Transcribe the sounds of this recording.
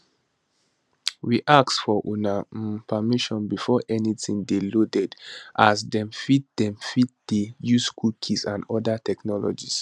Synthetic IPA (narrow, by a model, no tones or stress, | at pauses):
wiʔaksfɔʔunapʰamiʃɔ̃nbifɔʔɛnitĩŋdelodɛdʔasdɛ̃mfit̚dɛ̃mfit̚d̥ejuskukʰisãnɔdatʰɛknɔlɔ̰d͡ʒis